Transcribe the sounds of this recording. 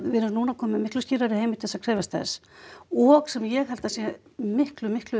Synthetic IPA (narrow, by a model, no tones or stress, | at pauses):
vɪnʏɾnuːnakʰɔːmmɪhklʏsciːɾaɾɪheːjmɪt̪θɛsakʰɾɛːvast̪θɛ̰sɔɣsɛmjɛɣhal̥t̪asjɛ | mɪhklʏmɪhklʏ